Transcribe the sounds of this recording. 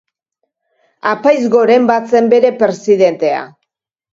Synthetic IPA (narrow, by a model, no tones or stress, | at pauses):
apajzɣo̞ɾe̞mbat͡se̞mbe̞ɾe̞pɾe̞siðe̞nt̪e̞a̰